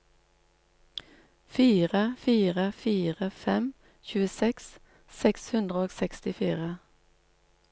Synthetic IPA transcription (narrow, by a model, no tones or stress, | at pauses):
fiːʁəfiːʁəfiːʁəfɛm | çʉːəsɛks | sɛkshʉnd̪ʁəoːɡsɛkst̪ɪfiːʁə